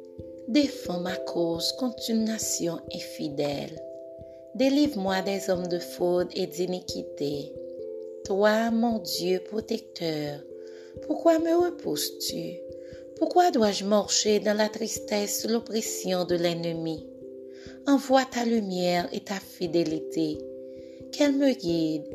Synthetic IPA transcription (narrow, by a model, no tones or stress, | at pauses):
d̪efɑ̃makʰozkɔ̃t̪ynːasjɔ̃ɛ̃fid̪ɛl | d̪elivmwad̪ɛzɔmd̪əfod̪ed̪inikʲit̪e | t̪wamɔ̃d̪jøpʁot̪ɛk̚t̪ʰœʁ | puʁkwaməʁəpʰuzt̪y | puʁkwad̪waʒəmaʁʃed̪ɑ̃lat̪ʁist̪ɛsulopʁesjɔ̃d̪əlɛnəmi | ɑ̃vwat̪alymjɛʁḛt̪afid̪elit̪e | kɛlməɡid̪